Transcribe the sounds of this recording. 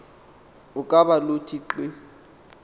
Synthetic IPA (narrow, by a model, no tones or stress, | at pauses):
ʊkʼabalotʰiǃi